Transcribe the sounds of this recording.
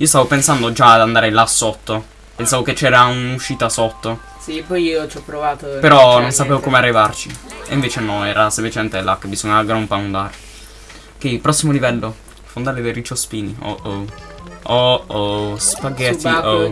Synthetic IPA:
iːost̪avopensand̪od͡ʒad̪and̪aːɾelasot̪ːo | pensaːvoket͡ʃːɛːɾaunuʃːiːt̪asot̪ːo | sipɔjiːot͡ʃɔpːɾovaːt̪opeɾɔnonsapeːvokoːmearːivart͡ʃiḛiɱveːt͡ʃenɔɛːɾasemplit͡ʃemɛnt̪elakːebizoɲːaɡɾompaund̪aːɾe | k̟epɾɔsːimolivɛlːo | fond̪aːɾeverit͡ʃospiːnio̰ | o | spaɡːɛt̪io

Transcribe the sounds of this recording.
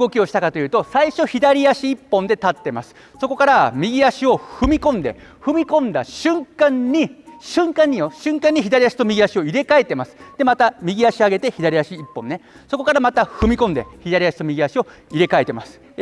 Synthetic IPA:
ɡo̞kʲio̞ɕi̥t̪akat̪o̞jɯ̟ːt̪o̞saiɕo̞çid̪aɾʲiaɕiːpːõ̞nd̪e̞t̪at̪ːe̞masɨ̥ | so̞ko̞kaɾamʲiɡʲiaɕio̞hɯ̟mʲikõ̞nd̪e̞̰ɸɯ̟mʲikõ̞nd̪a̰ɕɨ̃ŋkãɲ̟ːiɕɨ̃ŋkãɲ̟ːioɕɨ̃ŋkãɲ̟ːiçid̪aɾʲijaɕi̥t̪o̞mʲiɡʲiaɕio̞iɾe̞kae̞t̪e̞masɨ̥d̪̥e̞mat̪amʲiɡʲiaɕiaɡe̞t̪e̞çid̪aɾʲiaɕiːpːõ̞nːe̞ | so̞ko̞kaɾamat̪aɸɯ̟mʲikõ̞nd̪e̞̰çid̪aɾʲiaɕi̥t̪o̞mʲiɡʲiaɕio̞ | iɾe̞kae̞t̪e̞masɨ̥

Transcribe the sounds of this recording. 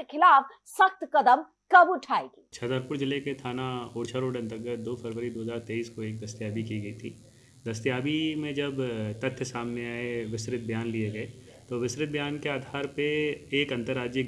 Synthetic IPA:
kʰɪlaːf | sɐkt̪kɐd̪əm | kɐbuʈʰaːeɡiːt͡ʃʰɐd̪əɾpʊɾd͡ʒɪleket̪ʰaːnaoːɽt͡ʃʰaɾoːɖɐ̃nt̪əɾɡət̪̚ʰd̪oːpʰɐɾʋəɾid̪oːɦəzaːɾt̪eːiːskoeːk̚d̪ɐst̪ijaːbikiɡɐit̪ʰiː | d̪ɐst̪ijaːbimẽd͡ʒɐbt̪ɐt̪ʰːjəsaːmneaːeʋɪsɾɪt̪̚bʱjaːnlieɡɐe | t̪oːʋɪsɾɪt̪̚bʱjaːnkeaːd̪ʱaːɾpeeːkɐ̃nt̪əɾːaːd͡ʒjə

